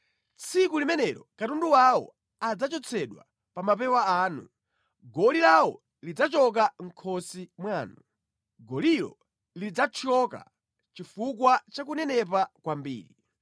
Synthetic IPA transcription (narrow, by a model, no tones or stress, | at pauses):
t͡sʰikulimɛnɛɾɔkatunduwawɔ̰ | ad͡zat͡ʃɔt͡sʰɛɗwa̰ | pamap̬ɛwaaːnṵ | ɡɔlilawɔ | lid͡zat͡ʃɔk̬aŋ̩kʰɔsimwaːnu | ɡɔliɾɔ̰ | lid͡zat͡ʃʰɔka̰ | t͡ʃifukwat͡ʃakunɛnɛp̬akwambḭːɾḭ